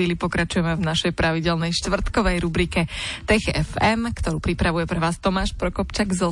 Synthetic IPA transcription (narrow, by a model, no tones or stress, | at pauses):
iːlipɔkɾat͡ʃujɛmɛvnaʃɛjpɾaʋiɟɛlnɛjʃt̪ʋr̩t̪kɔʋɛjɾubɾikɛt̪ɛxɛ̰fɛmkt̪ɔɾuːpɾipɾaʋujɛpɾɛʋaːst̪ɔmaːʃpɾɔkɔpt͡ʃaɡz